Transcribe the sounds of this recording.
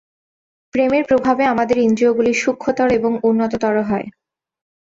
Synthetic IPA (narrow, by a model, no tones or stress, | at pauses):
pɾemeɾpɾobʱabeamad̪eɾind͡ʑooɡuliʃukʰːot̪ɔɾeboŋunːot̪ot̪ɔɾoɦɔe